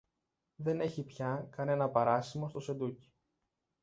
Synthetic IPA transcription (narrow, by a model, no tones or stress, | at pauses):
ðe̞ne̞çipçɐkɐne̞nɐpɐɾɐsimost̪o̞se̞nd̪uci̥